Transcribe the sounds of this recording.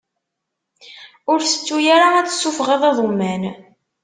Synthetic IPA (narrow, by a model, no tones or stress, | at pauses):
ʊɾθə̥t͡sːujaɾaæt͡sːə̥sːufʁɑðˤɑðˤomːæn